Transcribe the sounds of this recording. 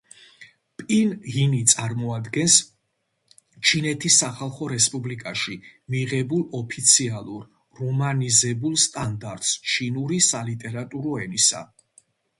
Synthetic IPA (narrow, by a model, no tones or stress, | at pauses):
pʼinɣinit̪sʼaɾmɔad̪ɡɛns | t͡ʃʰinɛt̪ʰisːaχalˠχɔɾɛspʼublikʼaʃimiʁɛbulˠɔpʰit̪sʰialˠuɾː | ɔmanizɛbulˠst̪ʼand̪aɾt̪ʼst͡ʃʰinuɾisalit̪ʼɛɾat̪ʼuɾɔɛnisa̰